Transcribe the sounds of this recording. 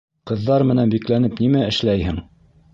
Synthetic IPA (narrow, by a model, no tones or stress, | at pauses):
qɤ̆ðːɑɾmɘ̆nænbiklænɘpnimæɘ̆ʃlæjhɘŋ